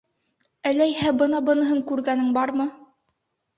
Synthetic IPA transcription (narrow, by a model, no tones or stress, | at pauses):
ælæjhæbɤ̆nɑbɤ̆nɤ̆ɦɤɴkʉɾɡænɘŋbɑɾmɤ